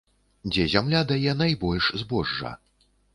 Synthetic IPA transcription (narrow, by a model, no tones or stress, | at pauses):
d͡zʲɛzʲamlʲad̪ajɛnajbɔlʲʂzbɔʐːɐ̰